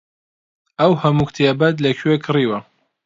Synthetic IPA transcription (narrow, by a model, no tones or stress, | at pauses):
ɐwhɐmukt̪ʰijabat̪lɐkʰekʰɨriːwɐ